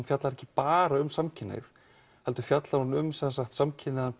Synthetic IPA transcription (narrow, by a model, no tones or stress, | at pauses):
nfjat̪laɾɛhcɪpaːɾaʏmsamcʰɪnːḛθ | hɛlt̪ʏ̥fjat̪laɾunʏmsɛnsaxt̪samcʰɪnːɪðan